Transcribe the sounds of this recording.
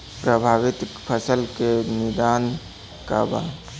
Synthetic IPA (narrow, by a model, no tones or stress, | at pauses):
pɾəbʱaːʋɪt̪pʰəsəlkenɪd̪aːn | ka̰ba̰